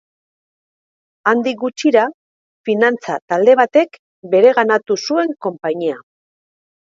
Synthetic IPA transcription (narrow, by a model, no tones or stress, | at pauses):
and̪ik̚ɡut͡ʃiɾa | finant͡sat̪ald̪e̞β̞at̪e̞k | be̞ɾe̞ɣanat̪usue̞ŋko̞mpaɲia